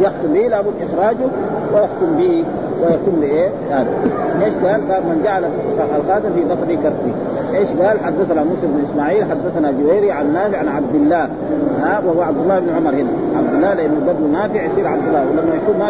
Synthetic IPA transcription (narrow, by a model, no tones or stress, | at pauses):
jaxt̪umbilabumʔixɾˤaːd͡ʒu | wajaxt̪umbiʔi | wajaxt̪umbiʔe | aːlueːʃɡaːlɡaːbmand͡ʒaʕala | alxaːt̪amfid̪ˤɑfdikaɾˤt̪ːi | ʔeːʃɡaːlħad̪ːaθanamusɾbnʔismaːʕiːlħad̪ːaθanad͡ʒubejɾiʕanːaːfiʕanʕab̚d̪ilːaː | awahuwaʕab̚d̪ulːɑːhibnuʕʊmɑɾhina | ʕab̚d̪ulːaːleʔinːubad̪lunaːfiʕʃiːɾʕab̚d̪ulːɑːwlamːajaʃuːma